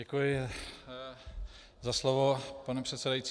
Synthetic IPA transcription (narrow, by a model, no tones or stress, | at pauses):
ɛkujɪ | zaslovopanɛpr̥ɛt̪sɛdajit͡s